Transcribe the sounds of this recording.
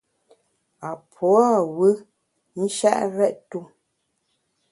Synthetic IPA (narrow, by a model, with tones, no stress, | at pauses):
a˨pʰɔ˨˦a˦˨wɨ˦ | n̩˦ʃa̰˦ʔɾɛ˦ʔtu˦˨